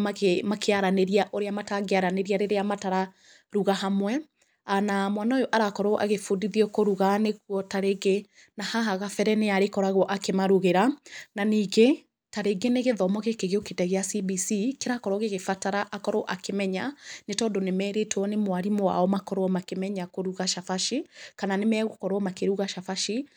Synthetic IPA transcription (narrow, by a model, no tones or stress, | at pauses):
akmakʰeaɾaneɾiaʔoɾeamataɣeaɾaneɾiaɾeɾeamataɾa | ɾuɣaɦamwɛ | anamwanaojoʔaɾakɔɾoʔa̰ɣefodiðiɔkoɾuɣaneɣwɔtaɾeɡe | nahaɦaɣafɛɾɛneaɾekɔɾaɣɔʔakemaɾuɣeɾananiːɡe | taɾeɡeneɣeðɔmɔɣekeɣeokedɛɣeasibisikeɾakɔɾwɔɣeɣefataɾaʔakɔɾoʔakemɛɲanetɔːndonemɛːɾetwɔnemwaɾimoa̰ɔmakɔɾwɔmakemɛɲakoɾuɣaʃafaʃikananemɛɣokɔɾwɔmakeɾuɣaʃafaʃi